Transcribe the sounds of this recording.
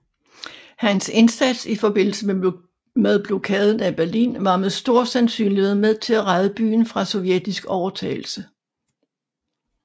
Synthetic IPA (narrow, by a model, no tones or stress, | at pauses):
hænse̝nsæd̥sifɒ̽b̥e̝n̰l̩səm | meðˠb̥lo̝kʰɛːð̞ˠn̩æb̥æɐlḭːnʋɑ̈meðˠsd̥o̝ɐ̰sænsy̰ːnlihe̝ð̰ˠmeðˠt͡sʰe̝læʁɑ̈ðˠəb̥y̰ːn̩fʁɑ̈sɒ̽ʊjed̥isɡ̥ɒʊɐt͡sʰɛ̰ːɪl̩sə